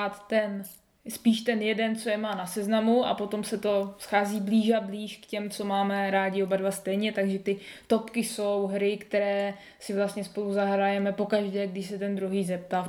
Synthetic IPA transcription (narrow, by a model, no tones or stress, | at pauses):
at̪ːɛn | spiːʃt̪ɛnjɛdɛnt͡so̞jɛmaːnasɛznamua̰po̞t̪o̞msɛt̪o̞sxaːziːbliːʃabliːʃkcɛmt͡so̞maːmɛɾaːɟɪobadvast̪ɛjɲɛt̪aɡʒɛt̪ɪt̪o̞pkɪso̞wɦɾɪkt̪ɛɾɛː | sɪvlast̪ɲɛspo̞luzaɦɾajɛmɛpo̞kaʒdɛːɡdɪʃsɛt̪ɛnd̪ɾuɦiːzɛp̚t̪a